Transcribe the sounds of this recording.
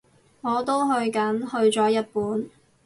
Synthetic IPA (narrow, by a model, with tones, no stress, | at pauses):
ŋɔː˨˧t̪o˥wɦɵ˧ɥkɐ˨˥nhɵ˧ɥt͡sɔː˨˥jɐ˥t̚puː˨˥n